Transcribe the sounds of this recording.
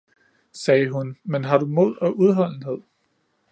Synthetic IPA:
sɛːɦunmenɦɑ̈ɾ̥umo̝ð̞̰ˠɒ̽ʔuð̞ˠɦɒ̽l̰n̩ɦe̝ð̞̰ˠ

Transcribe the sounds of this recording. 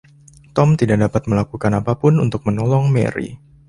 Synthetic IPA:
t̪ɔmt̪idaʔdapat̪̚məlakukanapapʊnunt̪ʊk̚mənɔlɔŋmḛɾḭ

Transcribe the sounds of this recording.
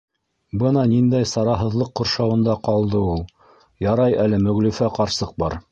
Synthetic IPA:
bɤnɑnind̪æjsɑɾɑɦɤ̆ðlˠɤqːŏɾʃɑwɤ̆nd̪ɑqɑlˠd̪ɤulˠ | jɑɾɑjælɘmɵ̆ɣlɵ̆fæqɑɾsɤq̚bɑɾ

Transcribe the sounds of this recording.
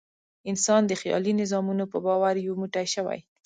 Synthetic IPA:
ɪnsɑnd̪əxjɑ̰linɪzɑmunopəbɑwaɾjomuʈajʃəwa̰j

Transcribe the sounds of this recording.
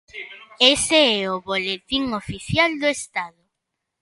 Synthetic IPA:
eseɛʊβolet̪iŋofiθjald̪ʊest̪aðʊ

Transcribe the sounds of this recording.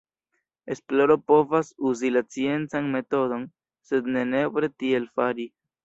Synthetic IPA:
e̞splo̞ɾo̞po̞vasuzilat͡sie̞nt͡sanme̞to̞do̞n | se̞d̪ne̞ne̞bɾe̞tielfaɾi

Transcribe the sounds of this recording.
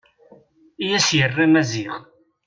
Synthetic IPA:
ijæsjərˤːimæziʁ

